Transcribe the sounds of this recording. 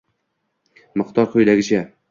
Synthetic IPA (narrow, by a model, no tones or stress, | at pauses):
mɨqt̪ɒɾqɵjlaɡʲɪt͡ʃʰæ